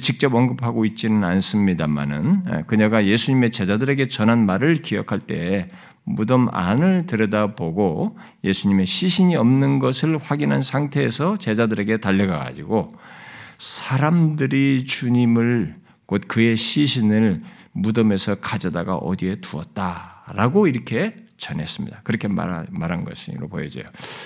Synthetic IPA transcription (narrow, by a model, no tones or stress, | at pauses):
t͡ɕik̚t͡ɕ͈ʌbʌnɡɯpʰaɡoit̚t͡ɕ͈inɯnans͈ɯmɲidama̰nɯ̰n̰kɯɲʌɡaje̞sʰuɲime̞t͡ɕe̞d͡ʑadɯɾe̞ɡe̞t͡ɕʌnɦanmaɾɯɭkiʌkʰaɭt͈e̞ | mudʌma̰nɯɭtɯɾʌdaboɡo | je̞sʰuɲime̞ɕʰiɕʰiɲiʌmnɯnɡʌsʰɯɭɸwaɡinɦansʰaŋtʰe̞ːsʰʌt͡ɕe̞d͡ʑadɯɾe̞ɡe̞taʎːʌɡaɡa̰d͡ʑiɡo | sʰaɾamdɯɾit͡ɕuɲimɯɭ | kot̚kɯe̞ɕʰiɕʰinɯɭmudʌme̞sʰʌkad͡ʑʌdaɡa̰ʔʌ̰die̞tuʌ̰t̚t͈aɾaɡoiɾʌkʰe̞t͡ɕʌnɦe̞s͈ɯmɲḭd̥̪akɯɾʌkʰe̞ma̰maɾanɡʌ̰ɕʰḭɾopojʌd͡ʑo̰jo